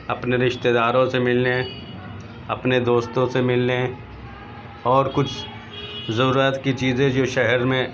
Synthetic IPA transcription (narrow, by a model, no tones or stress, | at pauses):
ɐpneɾɪʃt̪ed̪aːɾõsemɪlne | ɐpned̪oːst̪õsemɪlne | ɔːɾkʊt͡ʃʰ | zɐɾuːɾət̪kit͡ʃiːzẽd͡ʒoːʃɛɦɛɾmẽ